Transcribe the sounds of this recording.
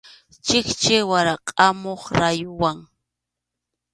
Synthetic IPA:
t͡ʃɪkt͡ʃɪwaɾaqʼamoχɾajʊwaŋ

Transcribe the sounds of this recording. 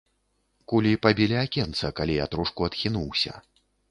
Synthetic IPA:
kulʲipabʲilʲiakʲɛnt̪sɐkalʲia̰t̪ɾuʂkuɐt̪xʲinuwsʲɐ̰

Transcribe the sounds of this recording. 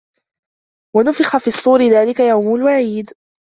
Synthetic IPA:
wanʊfɪxafiːɑsˤːuːɾɪðaːlɪkajawmʊlwaʕiːd̪

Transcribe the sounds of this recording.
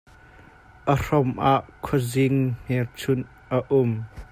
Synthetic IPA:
ʔər̥ɔmʔaʔkʰɔzɪŋn̥ɛrt͡sʰʊn | ʔəʔʊm

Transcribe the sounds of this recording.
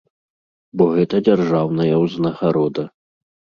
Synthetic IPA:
bɔɣɛt̪ɐd͡zʲarʐawnɐjɐwznɐɣaɾɔd̪ɐ

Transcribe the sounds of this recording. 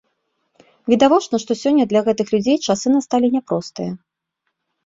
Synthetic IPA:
vʲid̪avɔt͡ʂnɐʂt̪ɔsʲɔnʲːɐd̪lʲɐɣɛt̪ɨxlʲud͡zʲejt͡ʂasɨnɐst̪alʲinʲɛpɾɔst̪ɨjɐ

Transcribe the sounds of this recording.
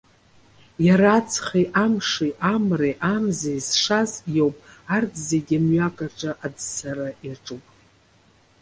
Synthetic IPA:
jaɾat͡sʰχeʔamʂiʔamreʔamzejzʂazjowpʼardzeɡʲamɥakʼaʈ͡ʂʼaʔadsaɾajaʈ͡ʂʼɨpʼ

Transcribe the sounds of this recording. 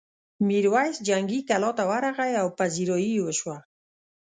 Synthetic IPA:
miɾwajsd͡ʒaŋɡikalot̪awaɾaʁajawpaziɾojiwəʃwa

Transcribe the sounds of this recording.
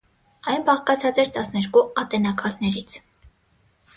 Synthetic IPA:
ɑjnbɑχkɑt͡sʰɑt͡sɛɾt̪ɑsnɛɾkuɑt̪ɛnɑkʰɑlnɛɾit͡sʰ

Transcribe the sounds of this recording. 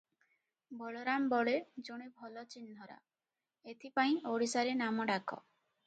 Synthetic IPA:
bʱɔɭɔɾambɔɭed͡ʒoɽ̃ebʱɔlɔt͡ʃind̪ʱɔɾa̰ | et̪ʰipaĩʔoɽisaɾenamɔɖakɔ̰

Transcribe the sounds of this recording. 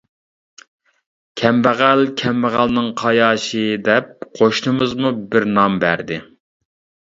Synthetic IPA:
kʲʰɛmbæʁælkʲʰɛmbæʁælnɪŋqʰɑjɑːʃɨd̪ɛp̚qʰoʃnɨmɨzmubɪɾnɑmbæ̰ɾd̪ɪ

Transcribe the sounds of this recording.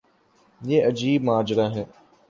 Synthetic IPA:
jeːɐd͡ʒiːb̚maːd͡ʒɾaːɦɛ̃ː

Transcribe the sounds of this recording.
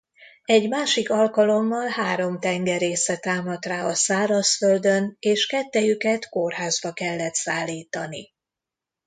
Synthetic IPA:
ɛɟmaːʃikɒlkɒlo̞mːɒlhaːɾo̞mt̪ɛŋɡɛɾeːsɛt̪aːmɒt̪raːɒsaːlɒsfø̞ld̪ø̞neːʃkɛt̪ːɛjykɛt̪ko̞rɦaːzbɒkɛlːɛt̪saːlːiːt̪ɒnḭ

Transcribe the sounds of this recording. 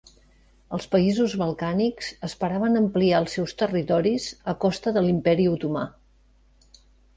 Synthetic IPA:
əlˠspəizuzβəlˠkanikz̥əspəɾaβənəmpliaəlˠsɛwst̪ərit̪ɔɾizəkɔst̪əðəlimpɛɾiut̪uma̰

